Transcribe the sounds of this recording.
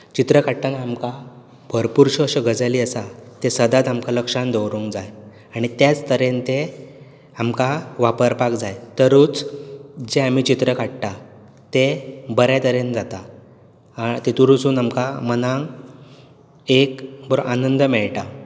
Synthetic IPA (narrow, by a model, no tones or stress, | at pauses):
t͡ɕit̪ɾəkaʈt̪anaamka | bʱəɾpuɾɕəɕəɡʱəd͡zəliːəsat̪esəd̪at̪amkaləkʂãnd̪əwɾuŋkd͡zaj | aɽ̃it̪jat͡st̪əɾent̪e | amkaʋapəɾpakd͡zajt̪əɾuːt͡sd͡ʑeam̤it͡ɕit̪ɾəkaʈʈa | t̪ebəɾjat̪əɾend͡zat̪a | t̪et̪uɾusuːnamkamənãŋ | ekbəɾoʔanənd̪mɛɭʈa